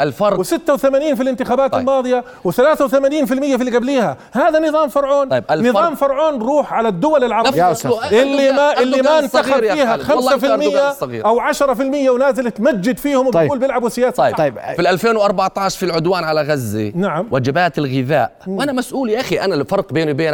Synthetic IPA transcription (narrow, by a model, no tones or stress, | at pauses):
ɪlfɑɾˤwɪsɪt̪ːawɪθamaːniːnfilɪnt̪ɪxaːbaːt̪ɪlmɑːðˤɨja | wɪθalaːθawθamaːniːnfɪlmɪjːafilːiɡabliːha | haːðanɨðˤɑːmfɑɾˤʕoːnlnɨðˤɑːmfɑɾˤʕoːnɾuːħʕalad̪ːʊwalɪlʕɑɾˤʔɪlːimaʔɪlːimaɪnt̪ːaxabiːhaxamssafɪmɪjːasˤɑɣḭːɾʔawʕaʃɾˤɑfɪlmɪjːawnaːzɪlɪt̪mad͡ʒːɪd̪fiːhʊmwbuːlbjɪlʕabwɪsɪjaːsfilʔalfeːnwʔɑɾˤbɑʕt̪ˤɑːʃˤfilʕʊd̪waːnʕalaɣazːḭnaʕamwʔad͡ʒabaːt̪ɪlɣɪða̰ːʔʔanamasʔuːliʔaxiʔanafɑɾˤqbeːnibeːn